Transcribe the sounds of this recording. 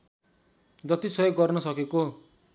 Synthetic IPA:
d͡zʌt̪isʌjoɡːʌrnʌsʌkeko

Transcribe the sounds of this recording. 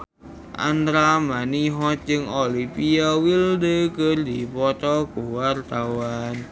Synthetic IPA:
ʔa̰nd̪ɾamaniɦɔt̪̚d͡ʒɨŋolipiawildəkərd̪ipɔt̪ɔkuwart̪awan

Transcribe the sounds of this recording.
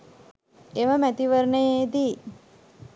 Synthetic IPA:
eʋəmæt̪iʋəɾɳəjed̪i

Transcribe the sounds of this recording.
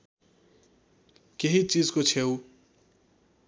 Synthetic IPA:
keɦit͡sid͡zkot͡sʰew

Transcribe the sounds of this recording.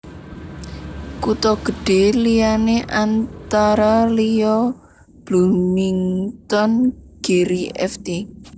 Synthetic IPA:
kut̪ɔɡ̥ə̤ɖ̥e̤lijaneʔant̪aɾalijɔ | b̥luniŋt̪ɔnɡ̥e̤ɾiɛ̰ft̪e

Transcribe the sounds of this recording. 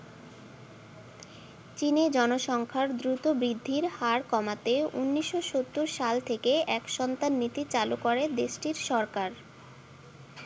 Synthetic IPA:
t͡ɕined͡ʑɔnoʃɔŋkʰaɾd̪ɾut̪obɾid̪ʱːiɾhaɾkɔmat̪eṵnːiʃːoʃot̪ːuɾʃalt̪ʰekeɛkʃɔnt̪anːit̪it͡ɕalukoɾed̪eʃʈiɾʃɔɾkaɾ

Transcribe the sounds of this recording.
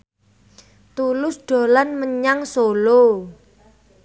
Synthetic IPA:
t̪ulʊsɖ̥o̤lanməɲaŋsolo

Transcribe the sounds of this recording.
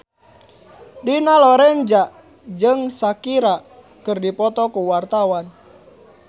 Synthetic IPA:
dunalɔɾɛɲd͡ʒa | d͡ʒɨŋsakiɾa | kɨrdipɔt̪ɔkuwart̪awan

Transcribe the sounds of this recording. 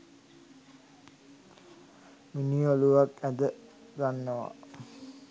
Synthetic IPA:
minioluʋakæd̪əɡanːəʋa̰

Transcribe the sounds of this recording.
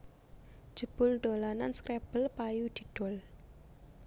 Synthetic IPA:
d̥ʒ̥ə̤b̥ʊ̤lɖ̪̥o̤lananskɾeb̥əlpajud̪̥i̤ɖ̪̥ɔ̤l

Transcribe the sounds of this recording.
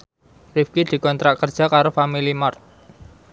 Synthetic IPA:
rifkid̪̥i̤kɔnt̪ɾakərd̥ʒ̥a̤kaɾofamilimart̪̚

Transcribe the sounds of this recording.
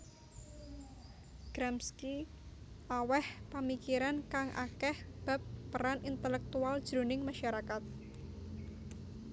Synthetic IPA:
ɡ̥ɾɛmski | ʔawɛhpamikiɾankaŋʔa̰kɛhb̥a̤p̚ːəɾanint̪əlɛk̚t̪uald̥ʒ̥ɾṳnɪŋmaʃaɾakat̪̚

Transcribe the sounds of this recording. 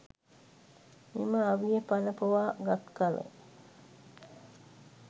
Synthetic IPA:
miməaʋijepanəpəʋaːɡat̪kalə̰

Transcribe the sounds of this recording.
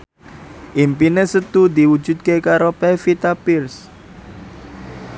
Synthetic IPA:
ʔimpinesət̪ud̪iwu̥d͡ʒṳd̪̚kekaɾopɛfit̪apirs

